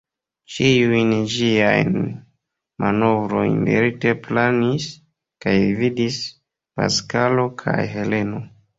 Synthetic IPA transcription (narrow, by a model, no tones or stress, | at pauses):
t͡ʃiujnʒiajn | mʔano̞vɾo̞̰jnmḛɾite̞planis | kajvidis | pa̰skalo̞kʰa̰jɦe̞le̞no̞